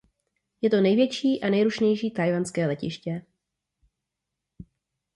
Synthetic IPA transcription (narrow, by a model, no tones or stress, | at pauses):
jɛt̪o̞nɛjvjɛt͡ʃiːʔanɛjɾuʃɲɛjʃiːt̪ajvanskɛːlɛcɪ̰ʃcɛ